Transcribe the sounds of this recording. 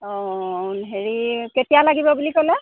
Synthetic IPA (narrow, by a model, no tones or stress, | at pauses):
ɔ̃nɦeɹiketijalaɡibɔbulikolɛ